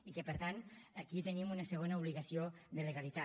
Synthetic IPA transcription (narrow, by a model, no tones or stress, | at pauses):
ikəpəɾt̪anakit̪ənimunəsəɣ̞onəuβ̞liɣɐsiod̪ələɣalit̪a